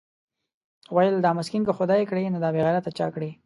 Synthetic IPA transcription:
wajəld̪ɑmʊskinkəxʊd̪ɑjekɽenod̪ɑbeɣaɾat̪ːat͡ʃɑ̰kɽe

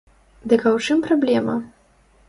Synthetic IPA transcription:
d̪ɨkɐwt͡ʂɨmpɾablʲɛmɐ

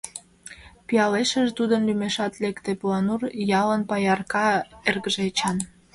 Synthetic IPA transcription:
pijɑleʃəʒt̪ud̪ənlymeʃɑt̪lekt̪eplɑnurjɑlənpɑjɑrkɑerɣəʒet͡ɕɑn

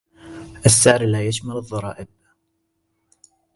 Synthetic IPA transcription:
ʔasːaʕɾlaːjaʃmalɨðˤːɑɾˤɑ̰ːʔɪb̚

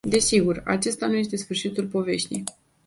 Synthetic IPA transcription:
d̪e̞siɡura̰t͡ʃe̞st̪anuje̞st̪e̞sfɨrʃit̪ulpo̞ve̞ʃt̪ḛj

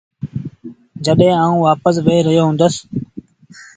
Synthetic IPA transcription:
d͡ʒəɗɦẽːaːũːʋaːpəs̬ʋeːɾəɦjoːɦʊ̃ːnd̪əs

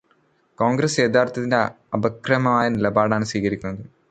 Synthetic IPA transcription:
koːŋɡɾɐseːd̪aːrt̪ʰːɐt̪inde | ɐbɐkrɐmɐmaːjɐnilɐbaːɽaːɳɨsʋiːkɐɾikʲːunːɐðɨ

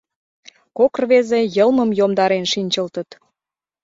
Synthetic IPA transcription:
kokrβezejəlˠməmjomd̪ɑɾenʃinʲt͡ɕəlt̪ət̪

